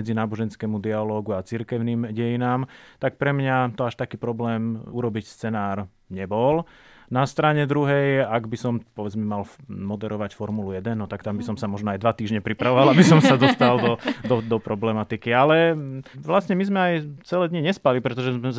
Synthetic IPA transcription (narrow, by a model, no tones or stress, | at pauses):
ɛd͡zinaːbɔʒɛnskɛmud̪ialɔːɡuat͡siɾkɛʊniːmɟɛjinaːmt̪ak̚pɾɛmɲat̪ɔaʃt̪akiːpɾɔblɛːmuɾɔbicst͡sɛnaːɾ | ɲɛbɔl | nast̪ɾaɲɛd̪ɾuɦɛjaɡbisɔmpɔʋɛd͡zmɛmalmɔd̪ɛɾɔʋacfɔɾmulujɛd̪ɛnːɔt̪akt̪ambisɔmsamɔʒnɔajd̪ʋat̪iːʒɲɛpɾipɾaʋɔʋalabisɔmsad̪ɔst̪ald̪ɔd̪ɔd̪ɔpɾɔblɛmat̪ikialɛʋlasɲɛmizmɛajt͡sɛlɛːd̪ɲiɲɛspalipɾɛt̪ɔʒɛzɛ